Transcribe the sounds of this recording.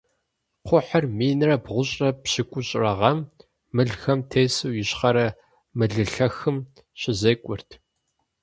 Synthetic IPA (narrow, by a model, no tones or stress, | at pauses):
qʷʊħɐrmiːnrɐbʁʷʊɕʼrɐpɕɪkʷʼʊɕʼrɐʁɐmː | ɨɮxɐmtʰeːsɨwjɪɕχɐɾɐ | mɨɮɨɬɐxɨm | ɕɪzɐkʷʼʊrtʰ